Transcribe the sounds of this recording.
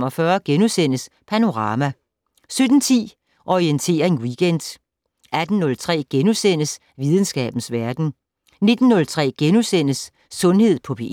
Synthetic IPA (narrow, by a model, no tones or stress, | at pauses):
mɒ̽fɶɐɡ̥enusen̰əspʰæno̝ʁɑ̈ːmæ | sød̥n̩t͡sʰḭː | ʔɒient͡sʰe̝̰ːɐe̝nwiɡ̥end̥ | æd̥n̩ːɔ̽lt͡sʰʁɛ̰ːɡ̥enusen̰əs | ʋið̞ˠn̩sɡ̥ɛ̰ːb̥n̩sʋæɐd̥n̩ | ne̝d̥n̩ːɔ̽lt͡sʰʁɛ̰ːɡ̥enusen̰əsː | ɔ̽nhe̝ð̰ˠpʰɒ̽pʰe̝